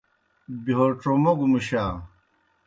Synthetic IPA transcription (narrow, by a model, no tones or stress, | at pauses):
biɦoʈ͡ʂomɐɡumuɕaː